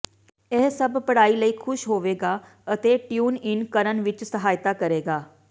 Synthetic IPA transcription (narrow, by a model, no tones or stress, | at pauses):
ɛːsəbpəɽaːiːləiːkʰʊʃɦoːʋeːɡaː | ət̪eːʈjuːnɪnkəɾənʋɪt͡ʃsəɦaːjt̪aːkəɾeːɡaː